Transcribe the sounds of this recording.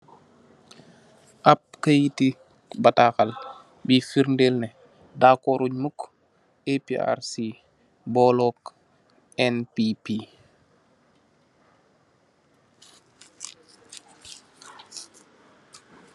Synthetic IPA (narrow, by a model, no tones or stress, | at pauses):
ʔap̚kəjiti | batakal | bifiɾndelnɛ | daːkɔɾuɲmuk | epia̰ɾsi | bɔːlɔk | ɛnpipi